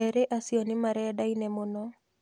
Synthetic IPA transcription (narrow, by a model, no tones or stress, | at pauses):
ɛɾeʔasiɔnɪmaɾɛdainɛmonɔ